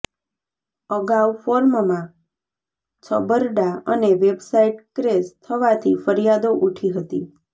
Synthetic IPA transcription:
əɡawfoɾmmã | t͡ʃʰəbəɾɖaəneʋebsaiʈkɾest̪ʰəʋat̪ʰifəɾijad̪oʔuʈʰiɦət̪i

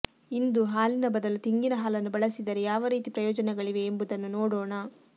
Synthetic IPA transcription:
ind̪uɦaːlinɐbɐd̪ɐlut̪iŋɡinɐɦaːlɐnːubɐɭɐsid̪ɐɾejaːʋɐɾiːt̪ipɾɐjɔːd͡ʒɐnɛɡɐɭiʋe̞ːmbud̪ɐnːunoːɽoːɳɐ

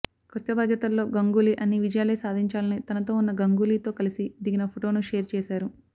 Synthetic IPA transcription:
kot̪ːɐbaːd̪ʱjɐt̪ɐlːo̞ːɡɐŋɡuːliːʔɐnːiʋid͡ʒɐjaːlɐjsaːd̪ʱiɲt͡ʃaːlɐnit̪ɐnɐt̪o̞ːunːɐɡɐŋɡuːliːt̪o̞ːkɐlisid̪iɡinɐpʰoʈo̞ːnuʃeːɾt͡ʃɛːʃaːɾu

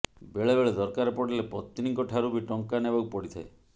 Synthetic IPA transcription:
beɭebeɭed̪ɔɾkaɾɔpɔɽalepɔt̪ːɾiŋkɔʈʰaɾubiʈɔŋkanebɔkupɔɽit̪ʰae

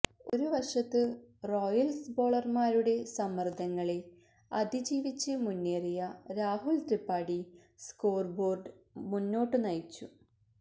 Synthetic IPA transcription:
o̞ɾuʋɐrʂɐt̪ːɨro̞ːjɐlsbo̞ːɭɐrmaːɾuɽe̞sɐmːɐrd̪ʱɐŋːɐɭe̞ | ɐd̪ʱid͡ʑiːʋit͡ɕːɨmunːerijɐɾaːɦult̪ripːaːɽi | skoːrbo̞ːrɖɨmunːo̞ːʈːɨnɐjt͡ɕːu

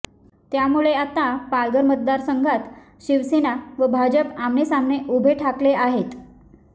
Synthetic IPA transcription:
t̪jamuɭeat̪apalɡəɾmət̪̚d̪aɾsəŋɡʱat̪ | ɕiʋsenaʋəbʱad͡ʑəpamnesamɳeʔubʱeʈʰakleʔaɦet̪

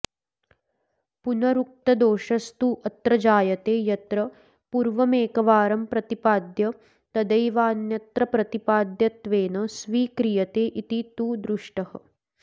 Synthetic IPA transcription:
punɐɾuk̚t̪ɐd̪oːʃɐst̪uʔɐt̪ɾɐd͡ʒaːjɐt̪eːjɐt̪ɾɐ | puɾʋɐmeːkɐʋaːɾɐmpɾɐt̪ipaːd̪jɐ | t̪ɐd̪ɐjʋaːnjɐt̪ɾɐpɾɐt̪ipaːd̪jɐt̪ʋeːnɐsʋiːkɾijɐt̪eːʔit̪it̪uːd̪ɾuʂʈɐhɐ̰

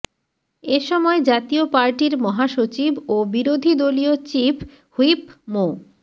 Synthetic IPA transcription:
eʃɔmɔed͡ʑat̪iopaɾʈiɾmɔɦaʃot͡ɕibobiɾod̪ʱid̪oliot͡ɕif | huipmo

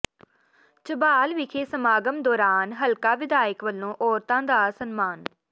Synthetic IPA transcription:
t͡ʃəbaːlʋɪkʰeːsəmaːɡəmd̪ɔːɾaːnɦəlkaːʋɪd̪aːjəkʋəlːõːʔɔːɾt̪ãːd̪aːsənmaːn

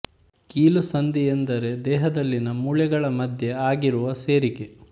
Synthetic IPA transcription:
kiːlusɐnd̪iend̪ɐɾe̞d̪ɛːɦɐd̪ɐlːinɐmuɭɛɡɐɭɐmɐd̪ʱjeaːɡiɾuʋɐseːɾike

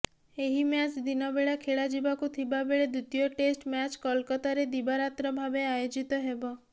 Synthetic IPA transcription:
eɦimat͡ʃd̪inɔbeɭakʰeɭad͡ʒibakut̪ʰibabeɭed̪ut̪ijɔʈesʈmjat͡ʃkɔlkɔt̪aɾed̪ibaɾat̪ɾɔbʱabeajod͡ʒit̪ɔɦebɔ

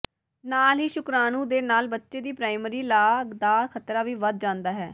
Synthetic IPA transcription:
naːlɦiːʃʊkɾaːnũːd̪eːnaːlbətːʃeːd̪iːpɾaːɪmɾiːlaːɡd̪aːkʰət̪ɾaːʋiːʋəd̪̚d͡ʒãːnd̪aːɦɛː

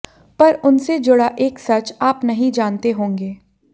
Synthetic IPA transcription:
pɐɾʊnsed͡ʒʊɽaʔeːksɐt͡ʃaːpnɐɦĩd͡ʒaːnt̪eɦõːŋɡeː

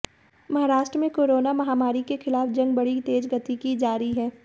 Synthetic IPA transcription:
mɐɦaːɾaːʃʈɾəmẽkoːɾoːnamɐɦaːmaːɾikexɪlaːfd͡ʒɐ̃ŋɡ̚bɐɽit̪eːd͡ʒɡɐt̪ikid͡ʒaːɾiɦɛː

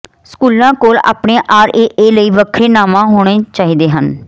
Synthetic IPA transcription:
skuːlãːkoːla̰ːpɳẽːʔaːɾeːʔeːləiːʋəkʰɾeːnaːmãːɦoːɽ̃eːt͡ʃaːɦiːd̪eːɦən

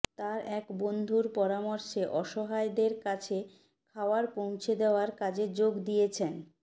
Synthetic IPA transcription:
t̪aɾɛkbond̪ʱuɾpɔɾamɔɾʃeʔɔʃɔɦaed̪eɾkat͡ɕʰe | kʰaoaɾpõw̃t͡ɕʰed̪eoaɾkad͡ʑed͡ʑoɡd̪ijet͡ɕʰen

